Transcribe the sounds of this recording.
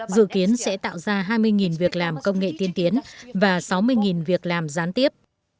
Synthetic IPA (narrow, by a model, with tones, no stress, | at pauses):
zɨ̰˧˨ki˨˦ənsɛ̰˧˥t̪a̰ː˧˨wzaː˧ɦaː˧jmɨ˧əjŋi˨˩nvi˨˩ək̚laː˨˩mkə˧wŋ͡mŋḛ˧˨t̪i˧ənt̪i˨˦ənvaː˨˩sa˨˦wmɨ˧əjŋi˨˩nvi˨˩ək̚laː˨˩mzaː˨˦nt̪i˦˥əp̚